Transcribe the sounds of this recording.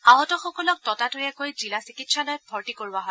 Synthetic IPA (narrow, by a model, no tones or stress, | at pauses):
aɦɔtɔxɔkɔlɔk̚tɔtatojɛkojzilasikitsalojɔbʰʱɔɹtikoɹibaɦɔ